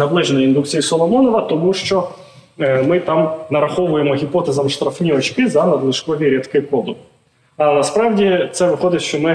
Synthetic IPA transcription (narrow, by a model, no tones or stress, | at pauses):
nɐblˠɛʒnɔjind̪uk̚t͡sʲijisɔlˠɔmɔnɔʋɐt̪ɔmuʃt͡ʃɔ | mɪt̪ɑmnɐɾɐxɔʋʊjemɔɦʲipɔt̪ezɐmʃt̪ɾɐfnʲiɔt͡ʃkɪzɐnɐd̪lˠɪʃkɔʋʲiɾʲɛt̪kɪkɔd̪ʊ | ɐnɐspɾɑʋdʲit̪sɛʋɪxɔd̪ɪt̪ʲʃt͡ʃɔmɪ